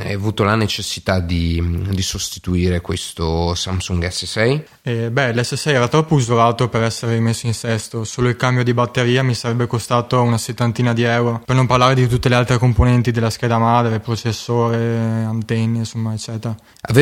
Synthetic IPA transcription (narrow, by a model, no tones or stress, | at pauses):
javuːt̪olanet͡ʃesːit̪ad̪id̪isost̪i̥t̪uiːɾekwest̪osamsuŋɡɛsːesɛj | ɛbɛlɛsːesɛjɛːɾat̪ɾɔpːouzolaːt̪opeɾɛsːeɾerimesːoinsɛst̪osoːloilkambjod̪ibat̪ːeɾiːamisaɾɛbːekost̪aːt̪ounaset̪ːant̪iːnad̪iɛwɾopernomparlaːɾed̪it̪ut̪ːelealt̪ɾekomponɛnt̪id̪elːask̟ɛːd̪amad̪ɾepɾot͡ʃesːoːɾeant̪enːensomːaet͡ʃːɛːt̪eɾa | a̰v